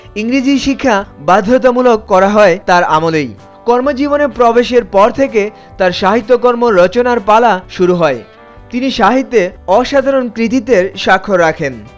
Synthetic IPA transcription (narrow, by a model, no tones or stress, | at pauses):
iŋɾid͡ʑiʃikʰːabad̪ʱːot̪̬omulokːɔɾaɦɔet̪aɾamolej | kɔɾmod͡ʑibonepɾɔbeʃ̬eɾpɔɾt̪ʰeke | t̪aɾʃaɦit̪ːokɔɾmoːɔt͡ɕonaɾpalaʃuɾuɦɔe | t̪iniʃaɦit̪ːeɔʃad̪ʱaɾonkɾit̪̬it̪eɾʃakʰːoɾakʰen